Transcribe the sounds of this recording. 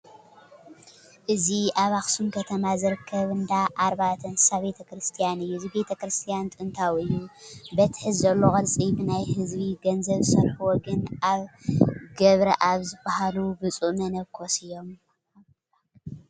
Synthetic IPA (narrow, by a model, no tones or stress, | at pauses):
ʔɨziaβaxsumkʰɐt̪ʰɐmazɨɾɨkʰːɐβɨnd̪aʔaɾbat̪ʰɐnsɨsaβbet̪ʰɐkɾɨst̪ʰijanɨjːuzibe̞t̪ʰɐkɾɨst̪ʰijant̪ʼɨɨnt̪ʰawɨjːubɐt̪ʰħɨzzɐlːokʼɐlt͡sʼibɨnajhɨzβiɡɐnzɐβsɐɾħuwɔɡɐnaβɡɐβɾɐʔaβzɨbahalubɨt͡sʼuʔmɐnɐβkʰosɨjːo̞m